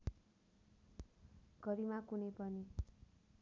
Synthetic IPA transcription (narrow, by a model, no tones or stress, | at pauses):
ɡʌɾimakunepʌni